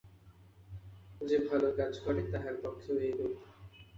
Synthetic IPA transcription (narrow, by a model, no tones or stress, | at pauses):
d͡ʑebʱalokad͡ʑkɔɾet̪aɦaɾb̪ɔkʰːoɦojeɡo